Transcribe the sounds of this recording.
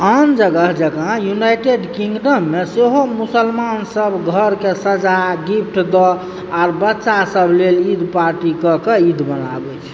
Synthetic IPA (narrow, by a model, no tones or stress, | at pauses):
and͡ʒəɡəɦd͡ʒəɡajunajʈeɖkiŋɡɖəmːeseɦomusəlmansəbʱɡʱəɾkesəd͡ʒaɡipʰʈʰd̪ɔ | aɾbətːʃasəbʱlelid̪paɾʈikəkeid̪bənabɛt͡ʃʰ